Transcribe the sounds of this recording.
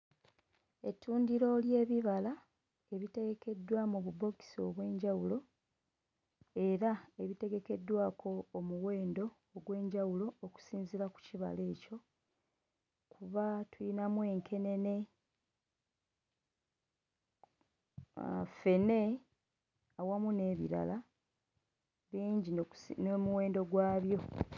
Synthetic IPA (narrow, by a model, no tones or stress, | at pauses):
e̞̰tːuːndiɾo̞lje̞ːβiβala | e̞βite̞ɡe̞ke̞dːwamuβubo̞ki̥so̰βwe̞ːɲɟawulo̞ | e̞ɾae̞βite̞ɡe̞ke̞dːwaːkʰo̞ːmuɣwe̞ːndo̞ːɡwe̞ːɲɟawulo̞ːku̥siːnziɾaku̥ciβa̰le̞ːco̞ | kʰuβatujinamwe̞ːŋkʰe̞ne̞ne̞ | a̰fe̞ne̞ | awamune̞ːβḭɾa̰la | βiːɲɟinomuwe̞ːndo̞ɡwaːβjo̞